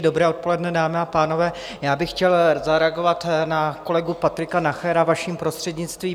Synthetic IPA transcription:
do̞bɾɛːo̞t̪̚po̞lɛdnɛdaːmɪapaːno̞vɛː | jaːbɪxcɛlzaɾɛaɡo̞vat̪nako̞lɛɡupat̪ɾɪkanaxɛɾavaʃiːmpɾo̞st̪r̥ɛdɲɪt͡st̪viː

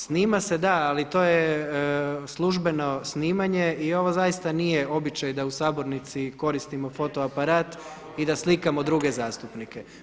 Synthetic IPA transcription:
sniːmase̞d̪aːlit̪o̞ːje | slˠuʒbe̞no̞sniːmaɲe̞io̞ʋo̞zajist̪anije̞o̞bit͡ʃajd̪ausaːbo̞ɾnit̪siko̞ɾist̪imo̞fo̞t̪oapaɾaːt̪ | id̪aslikamo̞d̪ɾuɡe̞zaːst̪upnike

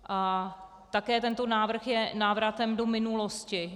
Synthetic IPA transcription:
ʔa | t̪akɛːt̪ɛnt̪o̞naːvr̩xjɛnaːvɾat̪ɛmdo̞mɪnuloscɪ

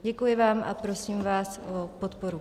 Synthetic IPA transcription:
ɟɛkujɪvaːmʔa̰pɾosiːmvaːsʔopot̪poɾu

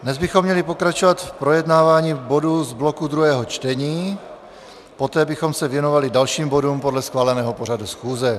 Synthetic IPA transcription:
dnɛzbɪxomːɲɛlipo̞kɾat͡ʃovat̪fpɾo̞jɛdnaːvaːɲiːbo̞duzblokud̪ɾuɦɛːɦot͡ʃt̪ɛɲiː | po̞t̪ɛːbɪxo̞msɛvjɛno̞valɪdalʃiːmbo̞dumpo̞dlɛsxvaːlɛnɛːɦopo̞ɾadusxuːzɛ

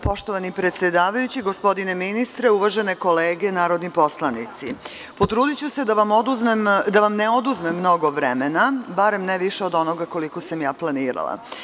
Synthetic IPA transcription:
po̞ʃt̪o̞ʋanipɾet̪sje̞d̪aːʋajut͡ɕiɡo̞spo̞d̪ine̞minist̪ɾeuʋaʒe̞ne̞ko̞leːɡe̞naːɾo̞d̪nipo̞slˠanit̪si | pot̪ɾuːd̪it͡ɕused̪aʋamod̪uzmemd̪aʋamneo̞d̪uzmemːno̞ɡoʋɾemenabaɾe̞mnɛʋiʃeod̪o̞no̞ɡako̞liko̞samjaːplˠaniːɾa̰lˠa̰

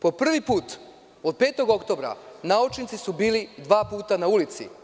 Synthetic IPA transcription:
po̞pr̩ʋipuːt̪ | od̪̚pe̞ːt̪o̞ɡo̞kt̪o̞bɾa̰naut͡ʃnit̪sisubiːlid̪ʋaːpuːt̪anaulit̪sḭ

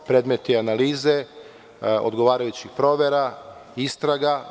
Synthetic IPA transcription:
pɾe̞ːd̪met̪ianaliːze̞ | o̰d̪ɡo̞ʋaːɾajut͡ɕixpɾo̞ːʋeɾaist̪ɾaɡa

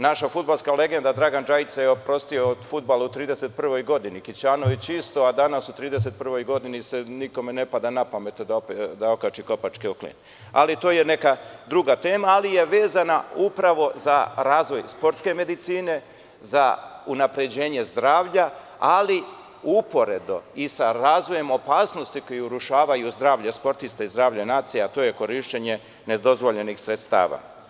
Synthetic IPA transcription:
naʃafud̪̚balskale̞ɡe̞nd̪ad̪ɾaɡand͡ʒait̪sajeopɾo̞st̪io̞od̪fud̪̚balaut̪ɾiːd̪eset̪̚pr̩ʋo̞jɡo̞d̪inikit͡ɕaːnoʋit͡ɕist̪o̞ad̪anasut̪ɾiːd̪es̬e̞t̪̚pr̩ʋo̞jɡo̞d̪iniseniko̞menepad̪anapamet̪d̪aopd̪ao̞kat͡ʃiko̞pat͡ʃkioklḭn | a̰lit̪o̞ːje̞ne̞kad̪ɾuɡat̪e̞ːmaːlije̞ʋe̞ːzanaupɾaʋo̞zaɾaːzʋo̞jspo̞ɾt̪ske̞me̞d̪it̪siːne̞ | za̰unapɾe̞d͡ʑe̞ːɲe̞zd̪ɾaːʋʎa | ali | upo̞ɾe̞d̪o̰isaɾaːzʋo̞je̞mo̞paːsno̞st̪iko̞juuɾuʃaːʋajuzd̪ɾaːʋʎaspo̞ɾt̪ist̪aizd̪ɾaːʋʎainaːt̪sijaat̪o̞ːje̞ko̞ɾiʃt͡ɕeɲe̞ | ne̞d̪o̞zʋo̞ʎe̞nixsɾet̪st̪a̰ːʋa̰ː

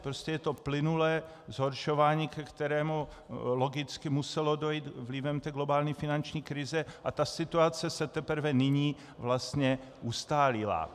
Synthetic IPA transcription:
pɾoscɛjɛt̪o̞plɪnulɛː | zɦo̞ɾʃovaːɲiːkɛkt̪ɛɾɛːmu | lo̞ɡɪt͡skɪmusɛlo̞dojiːt̪vlɪvɛmt̪ɛːɡlobaːlɲifɪnant͡ʃɲiːkɾɪzɛʔat̪asɪt̪uat͡sɛsɛt̪ɛpr̩vɛnɪɲiː | vlast̪ɲɛ | ʔust̪aːlɪla̰

